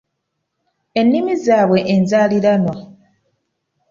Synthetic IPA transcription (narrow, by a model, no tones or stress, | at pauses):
e̞nːimizaːβwe̞ʔenzaːliɾanwa